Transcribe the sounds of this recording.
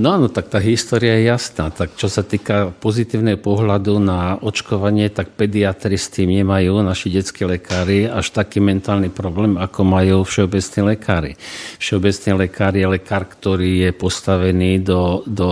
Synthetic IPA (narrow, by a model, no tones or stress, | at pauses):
nɔaːnɔt̪ak̚t̪aːɦist̪ɔːɾiajɛjasnaːt̪akt͡ʃɔsat̪iːkapɔzit̪iːʊnɛɦɔpɔɦlad̪unaɔt͡ʃkɔʋaɲɪɛt̪ak̚pɛd̪iat̪ɾist̪iːmɲɛmajuːnaʃiɟɛt͡skiːlɛkʰaːɾiaʃt̪akiːmɛnt̪aːlnipɾɔblɛːmakɔmajuːfʃɛɔbɛt͡sniːlɛkʰaːɾḭfʃɛɔbɛt͡sniːlɛkaːɾijɛlɛkaːɾkt̪ɔɾiːjɛpɔst̪aʋɛniːd̪ɔd̪ɔ